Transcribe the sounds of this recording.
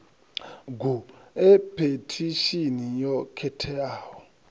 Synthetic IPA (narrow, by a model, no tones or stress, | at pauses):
ɡuepʰetʰiʃinijɔkʰɛtʰɛaːwɔ